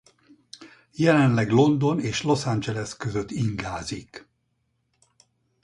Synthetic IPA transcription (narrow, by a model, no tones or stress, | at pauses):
jɛlɛnlɛɡlo̞nd̪o̞neːʃlo̞sand͡ʒɛlɛskøzøt̪iŋɡaːzik